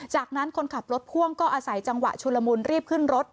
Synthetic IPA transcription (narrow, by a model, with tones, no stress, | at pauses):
t͡ɕaː˨˩k̚na˦˥nkʰo˧nkʰa˨˩p̚ɾo˦˥t̪̚kʰu˥˩əŋkɔː˥˩ʔaː˧sa˩˦jt͡ɕa˧ŋwa̰˨˩ʔt͡ɕʰu˧lːa˧muː˧nɾiː˥˩p̚kʰɯ˥˩nɾo˦˥t̪̚